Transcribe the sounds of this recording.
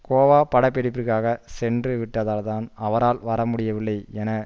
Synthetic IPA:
koːʋaːpɐɽɐpːɛɾɪpːɯkaːɣɐsɛndrɯʋɪʈːɐðaːlt̪aːnɐʋɐɾaːlʋɐɾɐmʊɽɪjɐʋɪɭːɐɪɛnɐ

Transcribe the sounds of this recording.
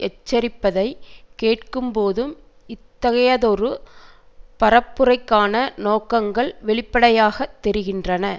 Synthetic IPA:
ʔɛt͡ʃːɐɾɪpːɐðɐɪkeːʈkɯmpoːðɯm | ɪt̪ːɐɣɐjɐðɔɾɯ | pɐɾɐpːɯrɐɪkːaːnɐnoːkɐŋɡɐɭʋɛɭɪpːɐɽɐjaːɣɐt̪ːɛɾɪɣɪndrɐnɐ

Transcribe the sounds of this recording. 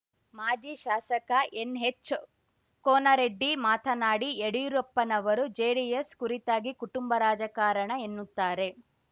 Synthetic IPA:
maːd͡ʒiʃaːsɐkɐʔenɦet͡ʃː | kɔːnɐɾeɖːimaːt̪ʰɐnaːɽieɽiɾɔpːɐnɐʋɐɾud͡ʒeːɽijeskuɾit̪aːɡikuʈumbɐɾaːd͡ʒɐkaːɾɐɳɐenːut̪ːaːɾe̞

